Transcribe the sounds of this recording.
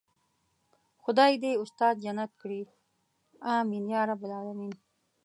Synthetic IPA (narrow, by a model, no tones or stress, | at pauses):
xʊd̪ɑːid̪eʊst̪ɑːd̪̚d͡ʒanat̪̚kɽi | ɑ̃ːminjɑːɾabɪlɑːlamin